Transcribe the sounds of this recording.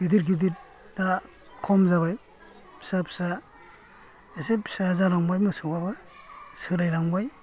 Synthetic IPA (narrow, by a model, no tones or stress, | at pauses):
ɡ̥idiɾɡidiɾ | da | kʰɔmzaβaj | pʰi̥sapi̥sa | esepʰsazaɾaŋbajmɯsɯbaba | sɯɾajɾaŋbaj